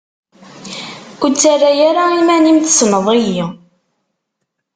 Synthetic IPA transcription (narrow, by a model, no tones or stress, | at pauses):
kʷʊt͡sːarːajaɾaimænimθsnəðˤiji